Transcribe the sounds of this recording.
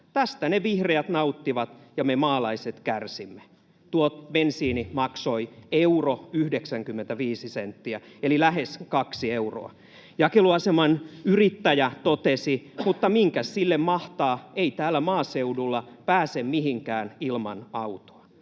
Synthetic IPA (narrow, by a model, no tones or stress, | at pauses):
t̪æst̪æneʋihreæt̪nɑut̪ːiʋɑt̪jɑmemɑːlɑiset̪kærsimːe̥ | t̪uot̪bensiːnimɑksoieuroyhdeksæŋkymːent̪æʋiːsisent̪ːiæelilæheskɑksieuro̰ɑ̰ | jɑkeluɑsemɑnyrit̪ːæjæt̪ot̪esimut̪ːɑmiŋkæssilːemmɑht̪ɑːeit̪æːlːˑæmɑːseudulːɑpæːsemmihiŋkæːnilmɑ̰nɑut̪o̥ɑ